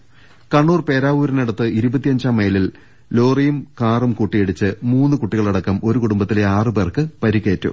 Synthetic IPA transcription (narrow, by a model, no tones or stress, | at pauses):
kɐɳːuːrpe̞ːɾaːʋuːɾɐneɽɐt̪ːɨiɾubɐt̪ːijɐɲd͡ʑaːmːejɐlil | lo̞ːrijumkaːrumkuʈːijeɽit͡ɕːɨmuːnːɨkuʈːiɣɐɭɐɽɐkːɐmo̞ɾukuɽumbɐt̪ːileaːrɨbeːrkɨpɐɾikːe̞ːtːṵ